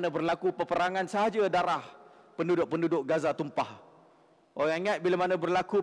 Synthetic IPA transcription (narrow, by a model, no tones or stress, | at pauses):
nə̃bərlakupəpəɾaŋãnsəɦad͡ʒadaɾah | pəndudʊʔ̚pəndudʊʔ̚ɡazat̪umpah | ʔoɾaŋŋat̪̚bilamanə̃bərlaku